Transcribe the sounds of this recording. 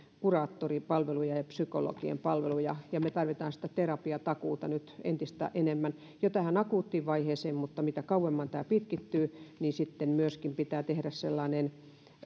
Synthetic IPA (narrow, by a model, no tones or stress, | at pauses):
kurɑːt̪ːoripɑlʋelujɑjɑpsykolo̰kiḛmpɑlʋelujɑjɑmet̪ɑrʋit̪ɑːnsi̥t̪æt̪erɑpiɑt̪ɑkuːt̪ɑnyt̪ḛnt̪ist̪æ̰ʔenemːæn | jot̪æhænɑkuːt̪ːiːʋʋɑiheːseːmmut̪ːɑmit̪ækɑuwemːɑnt̪æːpit̪kit̪ːyːniːnsit̪ːemmyøskimpit̪æːt̪ehɾæsselːɑːnen